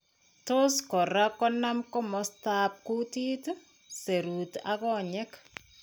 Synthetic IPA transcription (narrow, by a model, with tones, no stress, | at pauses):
toskɔ˨ɾa˦kɔ˦namkɔ˦mɔsta˦p̚ku˦ti˦t | se˨ɾuta̰˦kɔ˦ɲɛ˦k